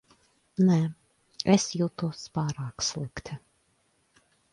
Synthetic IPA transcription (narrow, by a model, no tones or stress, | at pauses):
nɛ | ɛsjiwt̪uɔspɑːɾɑːkslˠɨkt̪ʰʲɪ